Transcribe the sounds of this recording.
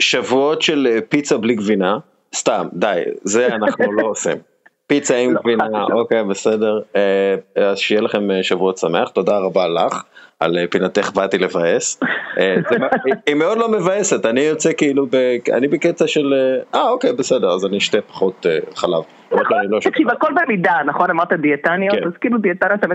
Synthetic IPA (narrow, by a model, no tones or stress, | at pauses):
ʃavuo̞tʃelepit͡sabliɡvina | st̪amd̪ajze̞anaχnulo̞osḭm | pit͡saimɡvinaaʔʔo̞kejbese̞deʁeazʃejelaχe̞meʃavuo̞tsame̞aχt̪o̞daʁabalaχa̰lepinat̪eχbatilevaesezemeimeo̞dlo̞me̞vaesetanijot͡sekiilubea̰nibeket͡saʃeleʔao̞kejbese̞de̞ʁazaniʃtepḁχoteχala̰v | aaniloʃkiakolbemidanaχonamaʁt̪adietanjakeazkiiludiet̪anjatami